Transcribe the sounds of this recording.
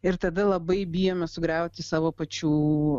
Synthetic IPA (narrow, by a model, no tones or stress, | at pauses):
ɪɾt̪ɐd̪ɐlˠɐbɐɪbʲɪjoːmʲɛsʊɡɾʲɛʊt̪ʲɪsɑːʋoːpɐt͡ʃʲuː